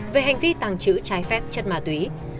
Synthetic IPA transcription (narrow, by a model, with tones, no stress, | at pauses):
ve˨˩ɦa˨˩jŋ̟vi˧t̪aː˨˩ŋt͡ɕɨ̰˧˥t͡ɕaː˨˦jfɛ˦˥p̚t͡ɕə˦˥t̚maː˨˩t̪wi˨˦